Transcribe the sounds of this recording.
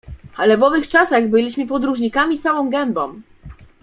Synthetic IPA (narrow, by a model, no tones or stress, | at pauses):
alɛvɔvɘxt͡ʂasaɣbɘlʲiɕmɘpɔd̪ɾuʐɲikamʲit̪sawɔ̃w̃ɡɛmbɔ̰̃w